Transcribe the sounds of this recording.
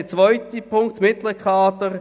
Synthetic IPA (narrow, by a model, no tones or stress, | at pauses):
ət͡svɔʏt̪ipʰʊŋktmɪt̪ləkʰɑːt̪əʁ